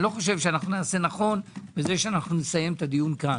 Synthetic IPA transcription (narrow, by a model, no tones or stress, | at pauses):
lo̞χo̞ʃe̞vʃeanaχnunaːse̞naχo̞nbeze̞ʃeanaχnunesaje̞mt̪ad̪ijunka